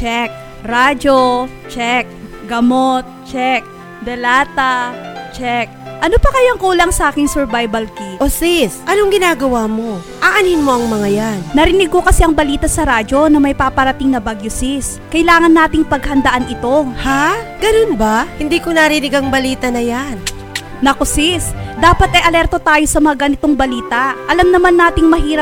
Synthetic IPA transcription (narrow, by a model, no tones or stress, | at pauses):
t͡ʃɛk̚ | ɾaːd͡ʒo̞ | t͡ʃɛk̚ | ɡɐmot̪̚t͡ʃɛk̚ | d̪ɛlaːt̪ɐt͡ʃɛk̚ʔɐnopɐkɐjoŋkuːlɐŋsɐʔaːkɪŋsɛɹbajbɐlkiʔosisʔɐnoŋɡɪnaːɡɐwamo̞ | ʔaʔɐninmo̞ʔɐŋmɐŋajannɐɾɪnɪɡ̚ko̞kɐsɛʔɐŋbɐliːt̪ɐsɐɾaːd͡ʒo̞nɐmɐjpapɐɾɐt̪ɪŋnɐbaɡjosis | kɐɪlaːŋɐnːaːt̪ɪŋpɐɡhɐnd̪ɐʔanɪt̪o̞haɡ̥ɐnonbahɪnd̪iːkonɐɾɪnɪɡɐŋbɐliːt̪ɐnɐjan | nɐkosisd̪aːpɐt̪ɛʔɐlɛɾt̪o̞t̪aːjo̞sɐmɐŋaɡɐnɪt̪oŋbɐliːt̪ɐʔɐlɐmnɐmanːaːt̪ɪŋmɐɦiːɾɐ